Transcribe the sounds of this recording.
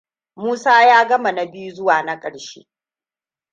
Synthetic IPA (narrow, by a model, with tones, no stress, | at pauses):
muː˦saː˦jaː˦ɡɐ˦ma˨na˨bɪ˦ju˦zʊ˦waː˨na˦kʼɐ˨ɽʃḛː˦